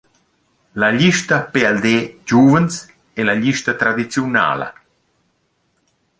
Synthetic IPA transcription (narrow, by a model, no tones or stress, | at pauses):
laʎiʃt̪apeɛld̪ed͡ʒuvəns | elaʎiʃt̪at̪ɾad̪it͡sjuna̰ːlɐ̰